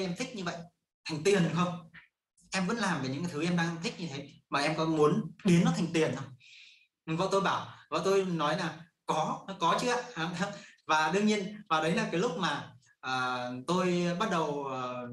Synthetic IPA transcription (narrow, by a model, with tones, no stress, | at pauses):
ʔɛ˧mt̪ʰï˦˥k̚ɲɨ˧və̰˧˨jʔ | t̪ʰa˨˩jŋ̟t̪i˨˩ən˨˩xə˧wŋ͡m | ʔɛ˧mvə̰˧˥nlaː˨˩mve˨˩ɲɨ̰˧˥ŋkaː˨˩t̪ʰʔɛ˧mɗaː˧ŋt̪ʰï˦˥k̚ɲɨ˧t̪ʰe˨˦maː˨˩ʔɛ˧mkɔ˨˦mu˨˦ənɗi˨˦ənːɔ˨˦t̪ʰŋ̟t̪i˨˩ənʔə˧j | və̰˧˨wt̪o˧jɓaː˧˩wvə̰ː˧˨t̪o˧jnɔ˨˦jlaː˨˩ | kɔ˨˦˧kɔ˨˦t͡ɕɨ˦˥a˧˨hvaː˨˩ɗɨ˧əŋɲi˧ənvaː˨˩ɗə˨˦jlaː˨˩kaː˨˦jlʊ˦˥k͡p̚maː˨˩ | ʔəː˨˩t̪o˧jɓa˦˥t̚ɗə˨˩wʔəː˨˩